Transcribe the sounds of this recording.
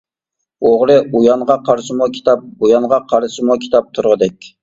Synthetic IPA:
oʁɾɨujɑɴʁɑqʰɑɾʃɪmʊkʲʰi̥t̪ʰɑp̚bujɑɴʁɑqʰɑɾʃɪmukʲʰi̥t̪ʰɑp̚t̪ʰuɾʁəd̪ɛkʲ

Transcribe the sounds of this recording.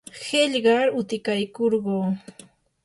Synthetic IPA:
heʎɢɑɾʊt̪ɪkajkoɾɢoː

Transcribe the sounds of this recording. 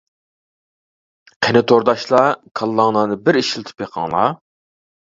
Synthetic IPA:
qʰenɪt̪ʰoɾd̪ɑʃlˠɑkʰɑlˠːɑŋnɑnɨbɪɾiʃilˠɨt̪ʰɨ̥pjeqʰɑ̰ŋlˠɑ̰

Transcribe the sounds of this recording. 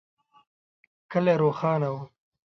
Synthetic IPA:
kəleːɾoːxɑːnawu

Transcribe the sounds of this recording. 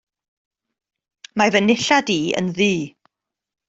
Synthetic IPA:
mavənɪɬadiːə̰nðiː

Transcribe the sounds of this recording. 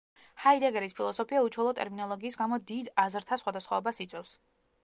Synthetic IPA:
haid̪ɛɡɛɾispʰilˠɔsɔpʰiaut͡ʃʰwɛlˠɔt̪ʼɛ̰ɾminɔlˠɔɡiːsɡamɔd̪id̪azɾt̪ʰasχwad̪asχwɔɔbasit̪sʼɛfs

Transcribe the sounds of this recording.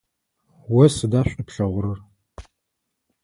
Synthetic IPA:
wɐsɨdaːɕʷʼɐpʂɐʁʷʊɾɨr

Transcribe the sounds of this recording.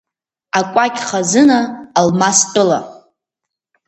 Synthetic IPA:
akʷʼakʲʼχazɨnaːlmastʼɨla

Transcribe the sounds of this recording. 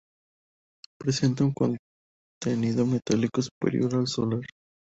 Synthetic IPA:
pɾese̞nt̪auŋkon | t̪eniðomet̪alikosu̥pḛɾjoɾalsolaɾ

